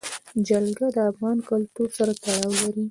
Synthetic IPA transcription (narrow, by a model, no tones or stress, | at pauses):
d͡ʒalɡad̪əafɣɑnkʊlt̪uɾsaɾat̪aɽɑwlaɾi